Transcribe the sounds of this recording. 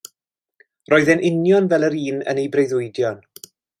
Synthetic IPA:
rɔːɨðɛnʔɪnjɔnvɛlˠəɾiːnə̰nejbrejðʊjdjɔn

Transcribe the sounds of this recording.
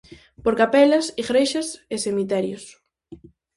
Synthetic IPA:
poɾkapɛlɐsiɣɾejʃɐsesemit̪ɛɾjos

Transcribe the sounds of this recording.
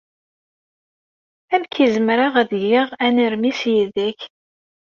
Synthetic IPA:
æmkizəmɾaʁæðʝiʁæniɾmisjiðæç

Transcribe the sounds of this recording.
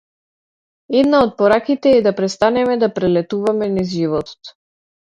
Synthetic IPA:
ɛd̪naɔt̪̚pɔɾakit̪ɛːd̪apɾɛst̪anɛmɛd̪apɾɛlɛt̪uvamɛnizʒivɔt̪ɔ̥t̪

